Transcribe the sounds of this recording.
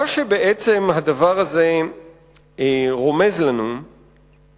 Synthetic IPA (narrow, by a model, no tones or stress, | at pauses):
aʃebeʔet͡se̞mɦad̪avaʁaze̞ | ʁo̞me̞zlanu